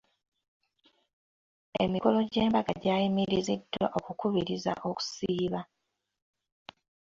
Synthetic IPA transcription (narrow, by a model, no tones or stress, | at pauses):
e̞̰miko̞lo̞ɟe̞ːmbaɡaɟaːjimiɾizidːa̰ʔokukuβiɾiza̰ʔo̞ku̥siːβa